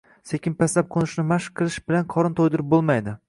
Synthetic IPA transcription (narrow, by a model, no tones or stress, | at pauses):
sekʲɪnpʰaslap̚qʰonɪʃnɪmaʃqʰɨlˠɪʃbɪlanqʰɒɾɪnt̪ʰojd̪ɪɾɪp̚bolˠmajd̪ɪ